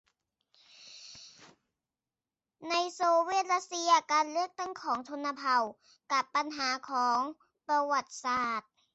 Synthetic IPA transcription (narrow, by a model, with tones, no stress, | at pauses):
na˧jsoː˧weː˥˩t̪̚la˧˥t̪̚si˧ɐkaː˧nlɯ˥˩ək̚t̪a˥˩ŋkʰɔː˩˦ŋt̪ʰo˧nːa˧pʰa˧˩w | ka˧˦pːa˧nɦaː˩˦kʰɔː˩˦ŋ | pɾa˧wa˨˩t̪̚saː˨˩t̪̚